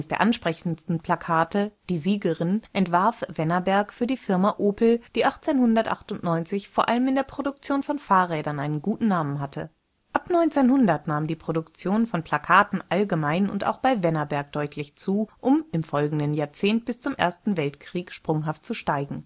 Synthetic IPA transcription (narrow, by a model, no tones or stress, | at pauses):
əsd̥eːɐʔanʃpʁ̥ɛçn̩stn̩pʰl̥akʰaːtəd̥iːziːɡəʁɪnʔɛntv̥aɐfv̥ɛnɐbɛɐkfyːɐdiːfɪɐmaʔoːpl̩d̥iːʔaχt͡seːnhʊndɐtʔa̰χtʊntnɔʏnt͡sɪçfoːɐʔaləmɪndeːɐpʁ̥odʊkt͡sjoːnfɔnfaːɐʁɛːdɐnʔaɪnənɡuːtn̩naːmənɦatʰə | ʔapnɔʏnt͡seːnhʊndɐtnaːmdiːpʁ̥odʊkt͡sjoːnfɔnpʰl̥akʰaːtn̩ʔalɡəmaɪnʊ̰nta̰ʊxb̥aɪvɛnɐbɛɐk̚d̥ɔʏtʰlɪçt͡suːʔʊmɪmfɔlɡŋ̩dənjaːɐt͡seːnt̚b̥ɪst͡sʊmʔḛːɐstn̩vɛltkʁ̥iːkʃpʁ̥ʊŋɦaft̚t͡suʃtaɪɡŋ̩